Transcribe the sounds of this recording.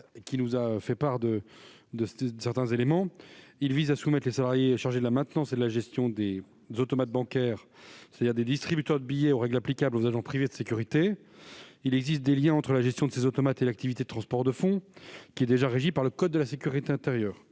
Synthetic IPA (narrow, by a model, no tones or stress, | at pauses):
kʲinuzaøfɛpaʁd̪ə | d̪əsəsɛʁt̪ɛ̃zelemɑ̃ilvizasumɛt̪lesalaʁjeʃaʁʒed̪əlamɛ̃t̪nɑ̃sed̪əlaʒɛst̪jɔ̃d̪e | zot̪ɔmat̪̚bɑ̃kʲɛʁse̥t̪ad̪iʁd̪ed̪ist̪χibyt̪œʁd̪əbijɛoʁɛɡlaplikʲablozaʒɑ̃pχived̪əsekʲyʁit̪e | ilɛɡzist̪̚d̪eljɛ̃ɑ̃t̪χəlaʒɛst̪jɔ̃d̪əsezot̪ɔmat̪elak̚t̪ivit̪ed̪ət̪χɑ̃spɔʁd̪əfɔ̃kʲiɛd̪eʒaʁeʒipaʁləkɔd̪̚ːəlasekʲyʁit̪eɛ̃t̪eʁjœːʁ